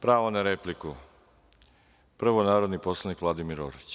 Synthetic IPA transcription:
pɾaːʋonaɾepliku | pr̩ʋonaːɾo̞d̪nipo̞slˠanikʋlad̪imiɾo̰ɾit͡ɕ

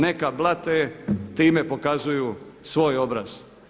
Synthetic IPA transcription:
nekablˠat̪et̪iːme̞po̞kazujusʋo̞jo̞bɾa̰z̥

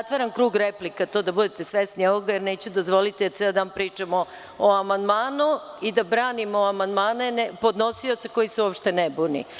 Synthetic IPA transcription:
at̪ʋaɾankɾuːɡɾeplikat̪o̞ːd̪abud̪et̪esʋest̪nioʋoɡajeɾne̞ːt͡ɕud̪ozʋo̞lit̪id̪at̪seld̪aːnpɾiːt͡ʂamo | oamand̪maːnu | id̪abɾaːnimoamand̪maːnenpo̞d̪nosio̞t̪sako̞jiseuopʃt̪e̞nɛbunḭ

